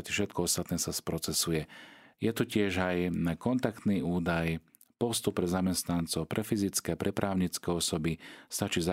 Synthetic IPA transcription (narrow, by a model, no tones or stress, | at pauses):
t̪ifʃɛt̪kɔɔst̪at̪nɛːsaspɾɔt͡sɛsujɛjɛt̪ucɪɛʒajkɔnt̪akt̪niːuːd̪aj | pɔst̪upːɾɛzamɛst̪nant͡sɔʊpɾʔɛfizit͡skɛːpɾʔɛpɾʔaːʊɲit͡skɛːɔsɔbist̪at͡ʃiːza